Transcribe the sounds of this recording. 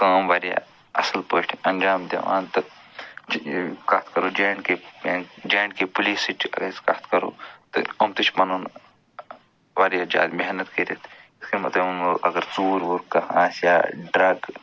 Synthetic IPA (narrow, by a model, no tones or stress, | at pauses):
kaːmʋaːɾija̰ | ɐsɐlpəːʈʰiɐnʲd͡ʒaːmd̪ʲḛʋã̰ːnt̪ɐ | kɐt̪ʰkɐɾoːd͡ʒeːɳɖkend͡ʒeːɳɖkepuliːsiʈʰɐ̰ɡɐskɐ̰t̪kɐɾo̰ːt̪ɨ̰ɐmt̪ɨt͡ʃʰpɐnoːn | ʋaːɾijaːd͡ʒa̰ːd̪meɦnɐt̪kiɾet̪ʰiskemɐt̪lɐmːʔɐɡɐɾt͡suːɾʋuɾkɐhaːsja̰ːɖɾɐɡ